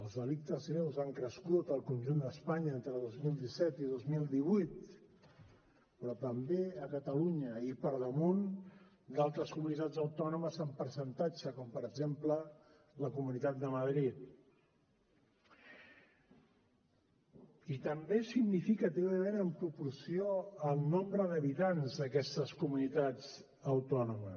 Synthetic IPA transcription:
əlˠzðəlik̚t̪əzɣɾewzaŋkɾəskut̪əlˠkunʲʒund̪əspaɲəent̪ɾəðozmilˠd̪isɛt̪iðozmilˠd̪iβujt̪ | pɾɔt̪əmbeəkət̪əluɲəipəɾðəmun | d̪alˠt̪ɾəskumnit̪ad͡zəwt̪ɔnuməzəmpəɾsənt̪ad͡ʒəkɔmpəɾəɡzemplə | ləkumunit̪at̪̚d̪əməðɾit̪̚ | it̪əmbesiɡnifikət̪iβəmenəmpɾupuɾsioəlˠnɔmbɾəðəβit̪anzðəkɛst̪əskumunit̪ad͡z | əwt̪ɔnumə

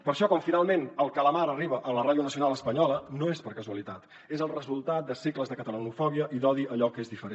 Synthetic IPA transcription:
pəɾʃɔkɔɱfinalˠmenəlˠkələmaɾəriβ̞əʔələraðjunəsiunalˠəspəɲɔlənoespəɾkəzuəlit̪at̪ | ezəlˠrəzulˠt̪at̪̚d̪əsikləzðəkət̪ələnufɔβiəʔiðɔðiəʎɔkezðifəɾe

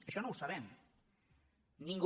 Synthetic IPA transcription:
ʃonõwsaβen | nĩŋɡ

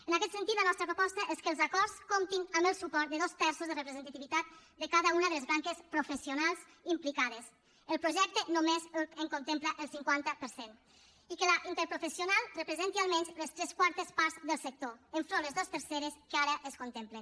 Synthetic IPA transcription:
ənakɛt̪sənt̪it̪lənɔst̪ɾəpɾopɔst̪əʔeskəlˠzakɔɾskomt̪inəmbəlˠsupɔɾt̪̚d̪əðost̪ɛɾsuzðərəpɾzənt̪at̪iβit̪at̪̚d̪əkaðəunəðəlezβaŋkespɾofəsiunalˠz | implikaðes | əlˠpɾoʒɛk̚t̪ənomezəŋkont̪empləʔəlˠsiŋkwant̪əpəɾsen | ikəlaʔint̪əɾpɾufəsijunalˠrəpɾəzɛnt̪ialˠmɛɲzləst̪ɾɛskwaɾt̪əspaɾzðəlˠsək̚t̪oəɱfɾõnləzðost̪əɾseɾeskəaɾəʔəskont̪emplen

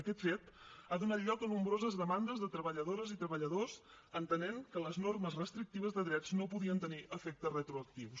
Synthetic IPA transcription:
əkɛt̪fet̪aðunat̪ʎɔkənumbɾozəzðəmand̪əzðət̪ɾəβəʎəðoɾəzit̪ɾəβəʎəðos | ənt̪əneŋkələznorməzrəst̪ɾik̚t̪iβəzðəðɾɛd͡znopuðiənt̪əniʔəfɛk̚t̪ərət̪ɾuək̚t̪iws

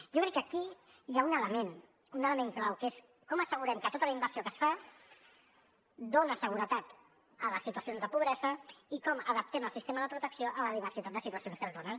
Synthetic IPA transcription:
ʒokɾɛkːəki | jaunələmen | unələmeŋklawkes | kɔməsəɣ̞uɾɛmkət̪ot̪ələimbəɾsiokəsfa | d̪onəsəɣ̞uɾət̪at̪ | ələsːit̪uəsionzðəpuβɾɛzəikɔməðəp̚t̪ɛməlˠsist̪eməðəpɾut̪əksioʔələð̞iβ̞ərsit̪at̪̚d̪əsit̪uəsionskəzðonən

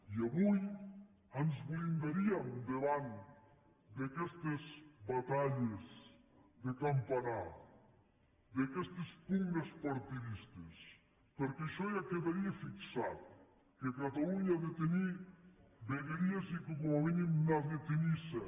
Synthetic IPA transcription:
iaβuj | anzβlind̪aɾiamd̪eβan | d̪akɛst̪ezbat̪aʎez | d̪ekampana | d̪ekɛst̪espuŋɡespaɾt̪iβist̪es | peɾkeʃɔjakeðaɾiefiksat̪̚ | kekat̪auɲaðet̪eni | beɣeɾiezikomoaβenimnaðet̪enise

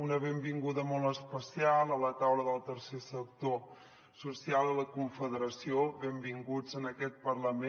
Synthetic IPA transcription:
unəβembiŋɡuðəmɔlˠəspəsialˠələt̪awləðəlˠt̪əɾsesək̚t̪o | susialˠələkuɱfəðəɾəsioβembiŋɡud͡zənəkɛt̪̚pərləme

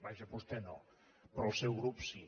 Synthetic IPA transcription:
βaʒəpust̪eno | pɾɔlsɛwɣɾupsi

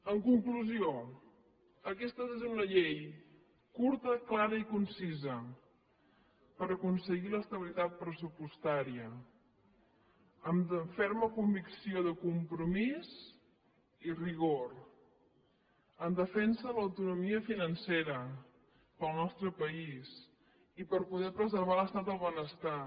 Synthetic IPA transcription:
əŋkuŋkluzio | əkɛst̪əezunəʎej | kuɾt̪əklaɾəikunsizə | pəɾəkunsəɣiləst̪əβilit̪at̪̚pɾəsupust̪aɾiə | əmfɛɾməkumbiksioðəkumpɾumiz | iriɣoɾ | ənd̪əfɛnsəələwt̪unumiəfinənseɾə | pəlˠnɔst̪ɾəpəis | ipəɾpuðɛpɾəzəɾβ̞aləst̪at̪̚d̪əlˠβənəst̪a

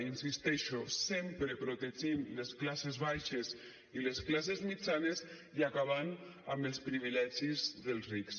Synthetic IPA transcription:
insist̪ɛʃosempɾepɾot̪eʒimlesklasezβajʃez | ilesklas̬ezmit͡ʃanez | iakaβ̞anaməlˠspɾiβ̞ilɛʒizðelˠzriks

